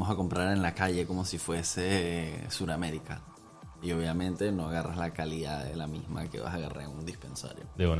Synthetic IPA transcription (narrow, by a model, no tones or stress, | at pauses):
mosako̞mpɾaɾe̞nlakaʝe̞ko̞mo̞sifwe̞se̞suɾame̞ɾika | io̞β̞jamẽ̞nt̪e̞no̞aɣarazlakaliðaðḛlamizma̰kḛβa̰saɣara̰und̪ispe̞nsa̰ɾjo̰d̪en